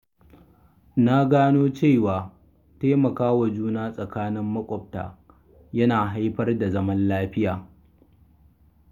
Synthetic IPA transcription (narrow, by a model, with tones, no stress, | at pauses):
na˦ɡaː˦noː˦t͡ʃeː˦˨waː˨ | teː˦mɐ˨kaː˦wa˨d͡ʒuː˦naː˦sʼɐ˨kaː˦nɪ˦mːɐ˦kʷʼɔ˨p̚ta̰ː˨ | jɐ˦naː˨ɦa˦jɸɐ˦rda˨zɐ˦mɐ˦nlaː˦ɸɪ˦jaː˨